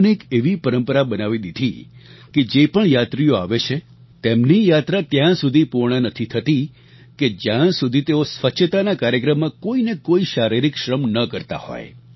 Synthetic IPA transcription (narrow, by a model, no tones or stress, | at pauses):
nekeʋipəɾəmpəɾabənaʋid̪id̪ʱiked͡ʒepəɳjat̪ɾijoaʋet͡ʃʰe | t̪emnijat̪ɾat̪jãsud̪ʱipuɾɳənət̪ʰit̪ʰət̪i | ked͡ʒjãsud̪ʱit̪eosʋət͡ʃʃʰət̪anakaɾjəkɾəmːãkoinekoiʃaɾiɾikʃɾəmnəkəɾt̪a̰hɔ̰je